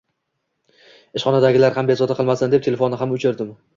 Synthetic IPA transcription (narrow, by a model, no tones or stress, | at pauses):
ɪʃχɒnad̪aɡʲɪlaɾhambezɒt̪aqʰɨlˠmasɪnd̪e̞p̚t̪ʰele̞fonːɪɦamʊt͡ʃʰɪɾd̪ɪm